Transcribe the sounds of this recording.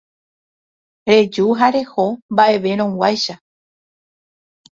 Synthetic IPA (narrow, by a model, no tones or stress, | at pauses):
ɾe̞d͡ʒuɦaɾe̞ho̞mbaʔe̞ʋe̞ɾ̃õŋwʷajʃa